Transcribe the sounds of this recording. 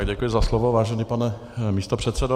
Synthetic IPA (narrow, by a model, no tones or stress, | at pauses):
ɡɟɛkujɪzaslovovaːʒɛniːpanɛ | miːst̪opr̝̥ɛt̪sɛdo